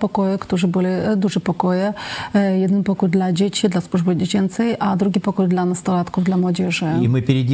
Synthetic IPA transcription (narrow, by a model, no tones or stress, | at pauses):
pɔkɔjɛkt̪uʐɨbɨlʲɪd̪uʐɨpɔkɔjɛjɛd̪npɔkujd̪lʲad͡ʑʲet͡ɕʲid̪lʲasluʐbɨdd͡ʑʲet͡ɕɛnt̪sɛjad̪ɾuɡʲipɔkɔjd̪lʲanɐst̪ɔɾat̪kuvd̪lʲamwɔd͡ʑʲɛʐɨḭmɨpʲɪɾʲɪ